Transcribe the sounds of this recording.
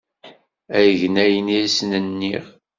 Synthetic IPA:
æjəʝnæjəniisnənːiʁ

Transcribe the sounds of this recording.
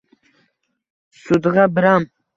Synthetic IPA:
sud̪ʁɑbɪɾam

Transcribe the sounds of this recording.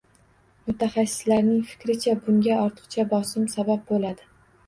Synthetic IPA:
mʊt̪ʰaχasːɪ̥slaɾnɪŋfɪ̥kʲɾɪt͡ʃʰabʊŋɡʲaɒɾt̪ʰɨ̥qt͡ʃʰabɒsɪmsabap̚bolad̪ɪ

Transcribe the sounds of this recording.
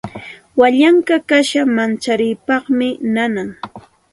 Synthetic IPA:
waʎaŋkakaʃamant͡ʃaɾɪjpɑχmɪnanaŋ

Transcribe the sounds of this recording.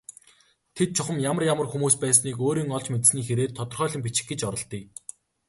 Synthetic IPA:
t̪ʰet̪̚t͡ɕʰʊχə̆mjamə̆rjamə̆rxumuːspæːsniːkoːɾiːŋɔɮt͡ɕmet̪̆sniːxeɾeːt̪ʰːɔt̪ɞ̆rχœːɮɞ̆mp̬it͡ɕɪ̥̆xɡet͡ɕɔɾɞ̆ɮt̪iː

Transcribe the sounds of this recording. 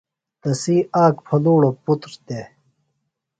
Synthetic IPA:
t̪ɐsiːaːkpʰɐluːɽoput̪ɾt̪e

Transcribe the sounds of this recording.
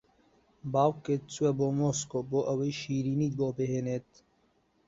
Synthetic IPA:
baːwket̪̚t͡suweboːmoːskoːboːʔɐwejʃiːɾiːniːt̪̚boːbeɦenet̪

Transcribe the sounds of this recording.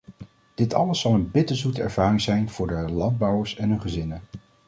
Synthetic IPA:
d̥ɪtɑ̰ləsːɑlˠənbɪtəzutəɛ̰ɹv̥aːrɪŋzɛjnv̥ʊːɹdəlɑnd̚bɑwəɹsɛnɦɵnχəzɪnə

